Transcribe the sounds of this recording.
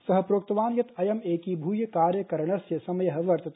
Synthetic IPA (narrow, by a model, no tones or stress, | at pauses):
sɐɦɐpɾoːk̚t̪ɐʋaːnjɐt̪ɐjɐmeːkibʱuːjəkaːɾjəkɐɾɳ̃ɐsjəsɐmɐjɐɦɐʋɐɾt̪ɐt̪